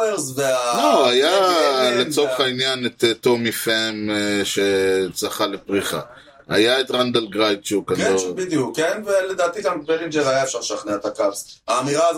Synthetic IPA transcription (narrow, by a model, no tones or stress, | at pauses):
ezveaoajalesoveχainjanet̪etːomifemʃet͡saχalepʁiχa̰ | a̰jaet̪ʁand̪elɡʁajt̪ʃekazobid̪jukːenveled̪aːt̪iɡambeʁind͡ʒezajaefʃaʁʃaχneat̪akapaːmiʁaːz